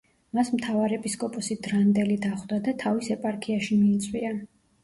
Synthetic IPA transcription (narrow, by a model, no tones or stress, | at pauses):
masmt̪ʰavaɾɛpʼiskʼɔpʼɔsid̪ɾand̪ɛlid̪aχd̪ad̪at̪ʰavisɛpʼaɾkʰiaʃimiːt̪sʼwia